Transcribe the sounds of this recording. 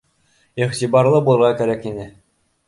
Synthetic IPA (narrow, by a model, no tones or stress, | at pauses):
iʁt̪ibɑɾlˠɤbulˠɤ̆ɾʁɑkæɾækinɘ